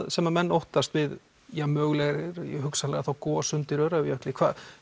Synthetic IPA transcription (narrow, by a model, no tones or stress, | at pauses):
ðsɛmamɛnːowht̪ast̪vɪð | jamœːɣlɛɣɾɪɾhʏksalɛɣaθawkɔːasʏnt̪ɪɾœɥɾaɪjœhklɪkʰv̥aːð